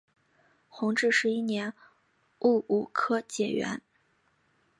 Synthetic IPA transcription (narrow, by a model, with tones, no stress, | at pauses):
xʊ˧˥ŋʈ͡ʂɻ̩˥˩ʂɻ̩˧˥i˥njɛ˧˥n | u˥˩u˨˩kʰɤ˥t͡ɕjɛ˨˩ɥɛ̰˧˥n